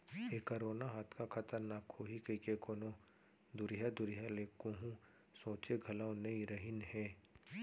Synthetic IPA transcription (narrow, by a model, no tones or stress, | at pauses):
ekəɾoːnaɦaːt̪ʰkakʰɐt̪əɾnaːkhoːɦikəkekoːno | d̪ʊɾijad̪ʊɾɪjaleːkoɦũ | sõːt͡ʃeɡʱɐlãõnɐĩɾəɦɪnɦɛ̃ː